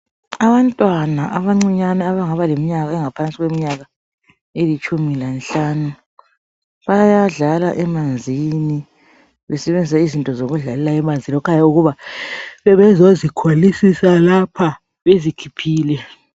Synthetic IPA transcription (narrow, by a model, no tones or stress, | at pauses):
aβantʼwanaʔaβaŋ͡ǀiɲanɛaβaŋaβalemiɲaɣaɛŋapʰansʼiɣwemiɲaɣa | elit͡ʃʼumilanɬaːnu | βajaɮala̰ʔɛmand͡zʱini | βɛsɛβend͡zʱisaizintʼɔzoɣuɮalɛlaɛmand͡zʱilɔkʰajauɣuβaβɛβɛzozikʰwalisisalapʰa | βezikʰipʰiːlɛ